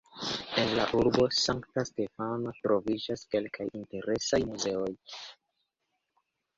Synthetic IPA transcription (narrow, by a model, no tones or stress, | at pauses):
e̞nlaʔuɾbo̞saŋktaste̞fanotɾo̞vid͡ʒaske̞lkʰajinte̞ɾʔe̞sajmuze̞o̞j